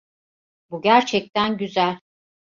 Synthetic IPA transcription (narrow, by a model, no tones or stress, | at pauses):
buɟæɾt͡ʃʰɛc̚t̪ʰænɟyzælʲ